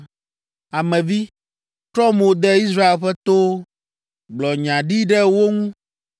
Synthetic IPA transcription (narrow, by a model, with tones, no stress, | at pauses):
a˨mɛ̃˨vi˦ | t̪ɾɔ˦mo˨d̪ɛ˦i˦s̬ɾa˦e˨lɸɛ˦t̪o˦ | ɡ͡blɔ˨ɲã˨ɖi˦ɖɛ˦wo˦ŋũ˦